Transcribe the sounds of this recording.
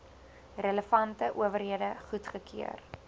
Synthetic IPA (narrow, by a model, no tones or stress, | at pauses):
rələfɐntəʔuəvərɦiədəχutχəkʰiər